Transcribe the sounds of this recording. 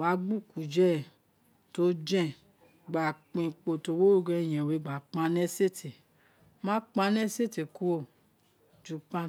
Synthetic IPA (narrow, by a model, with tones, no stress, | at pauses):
wa˨˦ɡ͡bu˦˨ku˨d͡ʒɛ˦˨ | to˦d͡ʒɛ̃˦˨ | ɡ͡ba˨k͡pĩ˨k͡po˨to˧˦wo˦ɡɛ˧˨j̃ɛ̃˨we˨˧˦ɡ͡ba˨k͡pã˧˦nɛ˦se˦ti˨ | mã˦k͡pa˧˦nɛ˦se˦te˨ku˧o˧˨ | d͡ʒu˨˦k͡pã˦